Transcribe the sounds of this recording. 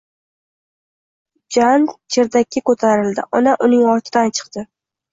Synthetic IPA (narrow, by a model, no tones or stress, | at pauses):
d͡ʒant͡ʃʰeɾd̪akʲːɪkɵt̪ʰaɾɪld̪ɪ̰ʔɒnaʔʊnɪŋɒɾt̪ʰɪd̪ant͡ʃʰɨ̥qt̪ɪ